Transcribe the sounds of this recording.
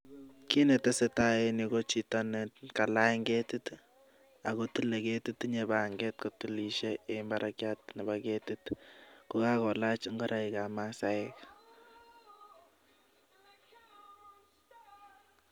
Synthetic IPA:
ki˦nɛ˨ta˦sɛ˦ta˦e˦niko˦t͡ʃi˨tɔnɛ˨tka˨la˦ŋɡe˦tut | a˨kotu˦le˨ke˦tutɲeba˨ŋɡɛ˦tkotu˦li˨ʃeembaɾʔakjatnɛ˨baketutko˦ka˦kɔ˨la˦t͡ʃŋɡɔ˦ɾʔa˦i˨kamasaɛk

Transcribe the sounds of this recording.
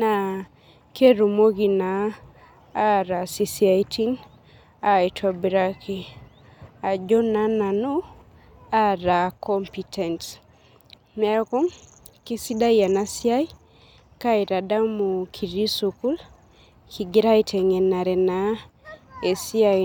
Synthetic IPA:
na˨ | kʰe˦ɾu˨mo˦ɡi˨naː˨˦ | ɾa˨si˨sia˨itʰi˦ŋ | a˨i˨tʰa˨biɾa˦kʰi˨ | a˨d͡ʒo˦na˦na˨nu˦ | a˦ɾa˨kɔmpi˨tʰɛ˨nt | mɛ˦a˦kɔ˦ŋ | ki˦si˦da˦ja˨na˨si˦a˦j | ka˦i˨ɾa˨da˦mu˨kʰi˨ɾi˦su˨ku˦l | kʰi˨ɡi˦ɾa˦i˦tʰɛ˨ŋɛ˨na˨ɾɛ˨na˨ | e˨si˦a˦

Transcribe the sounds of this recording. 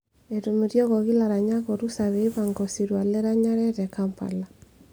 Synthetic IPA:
e˨tu˨me˨ɾjɔ˦ɣɔ˨ɣi˦la˨ɾa˨ɲa˦ɣɔ˨ɾu˦sa˨βe˨i˦βa˨ŋɡɔ˨si˨ɾwa˨le˦ɾa˦ɲa˦ɾɛ˦ɾɛ˨kampa̰˨la˨

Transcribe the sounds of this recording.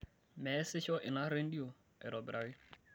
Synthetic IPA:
mɛ˨˦sɪ˦ʃɔ˦ʔɪ˨na˦ɾe˦n̩˦di˦o˨ | ɛ˨ɾɔ˨bɾʔa˨wɪ˦

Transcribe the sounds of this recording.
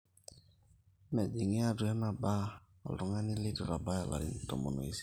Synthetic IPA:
mɛ˨d͡ʒi˨ŋi˦a˨du˨ɛ˦na˨ba˦ | ɔ̰˨lɔ˨ŋa˦ni˦li˦tɔ˨ɾa˨ba˦ja˨la̰˨ɾḭ˦n˨tɔ˨mɔ˨nɔ̰˨i˦si̥˦

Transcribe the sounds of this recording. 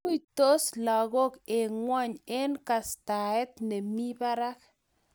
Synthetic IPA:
u˦jt̪o˦sla˨ɡo˦ke˨ŋwɔ˦ɲe˦nka˨st̪a˨ɛ˦t̪ne˨mi˦ba˦ɾa˦k

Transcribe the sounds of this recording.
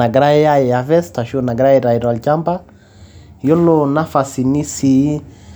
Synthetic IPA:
a˨ɡɾa˦ja˦jɛ˨a˨vɛ˦sta˨ʃiɔ˦na˨ɡɾa˦i˨ɾa˨i˨ɾa˨lt͡ʃa˦mba˦ | jo˦lo˦na˦fa˨si˨ni˦si˨

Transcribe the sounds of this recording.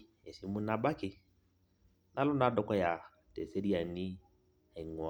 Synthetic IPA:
e˨si˨˦mu˦na˨˦ba˦kɪ˨ | na˦lʊ˦na˨˦dɔ˦kɔ˦ja˨ | tɛ˨se˦ɾi˦a˨ni˦ | a˨i˨ŋ˨ɔ˨

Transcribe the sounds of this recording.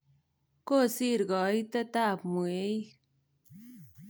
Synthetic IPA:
ko˦˨si˦ɾɡɑ˨˦jt̪a˦t̪a˦pmue˦j

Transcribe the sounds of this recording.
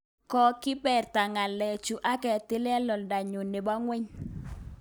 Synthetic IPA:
kɔ˦kɪ˦bɛ˨rta˨ŋa˨lɛ˨t͡ʃu˨ʔa˦kɛ˨tɪ˦lɛ˦lɔ˨lda˨ɲo˨ne˨ba˦ŋwɛ˦ɲ

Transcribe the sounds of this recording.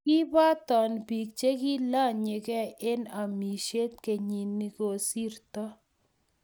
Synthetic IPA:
ki˦ba˦t̪ɔ˨nbi˨k̚t͡ʃe˦ki˦la˦˨ɲe˨kɛ˦e˦na˨mi˨ʃe˦t̪̚ke˨ɲi˨nːi˨ko˨si˦ɾt̪ɔ˦

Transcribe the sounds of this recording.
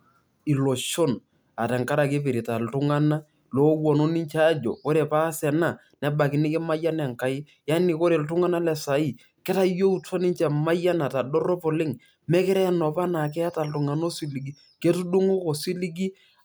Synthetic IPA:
i˨lo˨ʃo˦n | a˨tɛ˨ŋka˦ɾa˨ke˦pɪ˨ɾɪ˨ta˨ltʊ˦ŋa˦na˦ | lo˦wɔ˨no˦nɪ˦ɲt͡ʃaː˦d͡ʒɔ̰˨ko˦ɾe˨pa˦sɛ˨na˦˨ | nɛ˦ba˨kɪ˨nɪ˦kɪ˦ma˦ja˦nɛ˨ŋka˨ɪ˦ | ja˦nɪ˨ko˦ɾe˨ltʊ˦ŋa˦na˦lɛ˨sa˨i˦˨ | kɛ˦ta˦jo˦u˦ta˦nɪ˦ɲt͡ʃɛ˨ma˦ja˦na˨ta˨dɔ˦rɔ˦pɔ˨lɪ˦ŋ | mɛ˦kɪ˦ɾɛ˦˨nɔ˨pa˦na˨k̬ɛ˦a˦ta˨ltʊ˨ŋa˨no˦si˦li˨ɡi˨ | ke˦tu˦du˦ŋo˦ko˨si˦li˦ɡi˦

